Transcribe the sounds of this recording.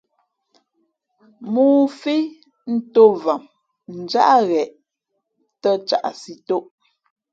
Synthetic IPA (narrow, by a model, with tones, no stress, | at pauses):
muː˦˨fi˦ | n̩˦to˦va˨m | n̩˨d͡ʒa̰˦ʔa˦ɣɛ˨ʔ | tə˦t͡ʃa˨ʔa̰˨si˨to˦ʔ